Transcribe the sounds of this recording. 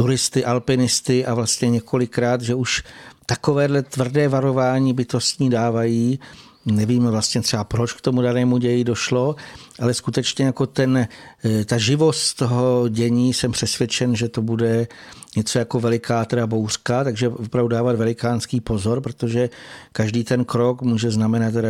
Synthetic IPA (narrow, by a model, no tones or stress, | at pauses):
t̪uɾɪst̪ɪʔalpɪnɪst̪ɪʔavlast̪ɲɛɲɛkʰo̞lɪkɾaːt̪ʒɛuʃt̪ako̞vɛːdlɛt̪vr̩dɛːvaɾo̞vaːɲiːbɪt̪o̞st̪ɲiːdaːvajiː | nɛviːmvlast̪ɲɛt̪r̥ɛbapɾot͡ʃkt̪o̞mudanɛːmuɟɛjɪdo̞ʃlo̞ʔalɛskut̪ɛt͡ʃɲɛjako̞t̪ɛnt̪aʒɪvo̞st̪t̪o̞ɦo̞ɟɛɲiːsɛmpr̥ɛsvjɛt͡ʃɛnʒɛt̪o̞budɛɲɛt͡so̞jako̞vɛlɪkaːt̪ɛdabowr̥kat̪aɡʒɛopɾavdudaːvad̪vɛlɪkaːnskiːpo̞zoɾpɾot̪o̞ʒɛkaʒdiːt̪ɛnkɾo̞kmuːʒɛznamɛnat̪̚t̪ːɛɾa